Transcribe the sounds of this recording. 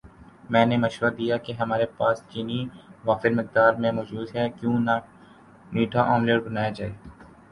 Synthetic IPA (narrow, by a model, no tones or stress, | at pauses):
mɛ̃ːnemɐʃʋəɾd̪ijakeɦɐmaːɾepaːst͡ʃiːniʋaːfɪɾmɪq̚d̪aːɾmẽmɔːd͡ʒuːd̪ɦɛkjõːn | niːʈʰaʔãːmleːʈbɐnaːjad͡ʒaːeː